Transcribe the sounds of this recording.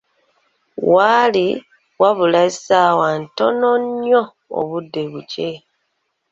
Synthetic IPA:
wali | waβulaisawanto̞noɲo | o̰βudːe̞βuce

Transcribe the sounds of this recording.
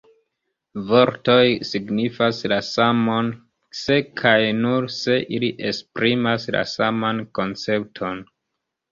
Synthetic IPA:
vo̞ɾto̞jsiɡnifaslasamo̞n | se̞kʰajnuɾse̞ʔiliʔespɾimasla̰samanko̞nt͡se̞p̚tʰo̞n

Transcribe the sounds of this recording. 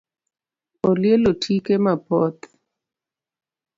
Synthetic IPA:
ɔljelotʰikemapɔt̪

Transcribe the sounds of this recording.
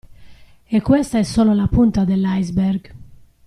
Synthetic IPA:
ekːwɛst̪aɛsːɔːlolapunt̪ad̪elːajzbɛɾɡ

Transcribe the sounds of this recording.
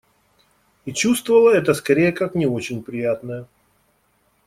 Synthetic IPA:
it͡ɕust̪vəvəlˠəɛt̪əskɐɾʲejəkaknʲɪo̞t͡ɕɪnʲpɾʲɪjat̪nəjə

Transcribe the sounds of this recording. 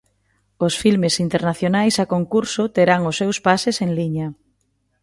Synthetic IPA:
ʊsfilmesint̪eɾnaθjonajsakoŋkuɾsʊt̪eɾaŋʊsːewspaseseŋliɲɐ

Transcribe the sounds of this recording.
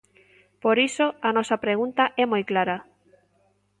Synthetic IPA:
poɾisoanɔsɐpɾeɣunt̪aʔɛmojklaɾa

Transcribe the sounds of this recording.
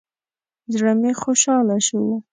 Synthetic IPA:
d̪ɾamexoʃɑlaʃuwa

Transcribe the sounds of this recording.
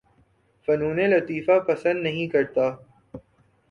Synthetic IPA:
fɐnuːnẽlɐt̪iːfapɐsə̃nd̪nɐɦĩkɐɾt̪aː

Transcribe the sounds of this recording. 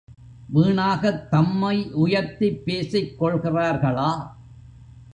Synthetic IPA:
ʋiːɳaːɣɐt̪ːɐmːɐɪʔʊjɐɾt̪ɪpːeːsɐɪkːɔɭɣɪraːɾɣɐɭaː

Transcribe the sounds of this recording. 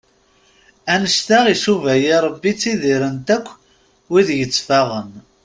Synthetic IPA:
ænəst̪aʁisuvæjiɾˤəbːit͡sːiðiɾənt̪ækʷː | wiðjət͡sːfæʁən

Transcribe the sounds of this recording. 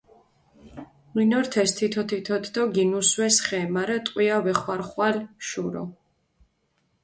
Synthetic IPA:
minɔɾt̪ʰɛst̪ʰit̪ʰɔt̪ʰit̪ʰɔt̪d̪ɔɡinuswɛsχɛmaɾat̪ʼqʼwiavɛχwaɾχwalʃuɾɔ̰

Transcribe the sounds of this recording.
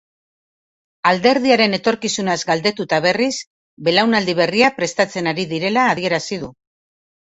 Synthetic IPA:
ald̪e̞ɾðiaɾe̞ne̞t̪o̞ɾkisunazɡald̪e̞t̪ut̪aβ̞e̞ris | be̞lawnald̪iβ̞e̞riapɾe̞st̪at͡se̞naɾiðiɾe̞laːðie̞ɾasiðu

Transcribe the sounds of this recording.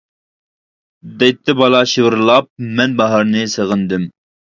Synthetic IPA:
d̪ɛjt̪ʰːɪbɑlˠɑʃiwɨɾlˠɑp̚mɛnbɑɦɑɾnɨsəʁənd̪ɪm

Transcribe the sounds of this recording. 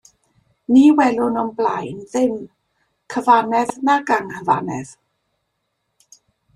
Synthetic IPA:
niwɛlʊnɔnblajnðɪm | kʰəvanɛðnaɡaŋhəva̰nɛ̰ð̥

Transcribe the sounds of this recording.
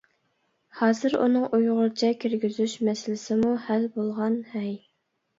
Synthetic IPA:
hɑːzɨɾṵnɨŋʔujʁʊɾt͡ʃʰɛkʲʰiɾɡʲyzyʃmɛsɪlɪsɪmuhælbolˠʁɑnhɛj

